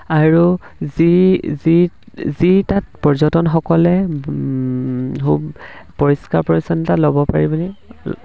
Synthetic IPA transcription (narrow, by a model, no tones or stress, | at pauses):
aɹuzizi | zitat̚pɔɹzɔtɔnxɔkɔlɛ | kʰubpɔɹiskaɹpɔɹisɔntalobɔpaɹibɔnɛ